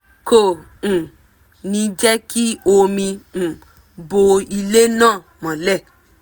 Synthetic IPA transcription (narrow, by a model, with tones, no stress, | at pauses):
ko˦˨ | ñ̩˨ | nĩ˧d͡ʒɛ˦ki˦o˧mĩ˧˨ | bo˧i˧le˦nãː˦˨ | mã˨lɛ˦˨